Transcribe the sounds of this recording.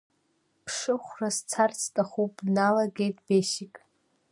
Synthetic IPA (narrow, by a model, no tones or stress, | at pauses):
pʰʂɨχʷrast͡sʰart͡sʰtʼaχupʼnalaɡʲejtʼbeʃikʼ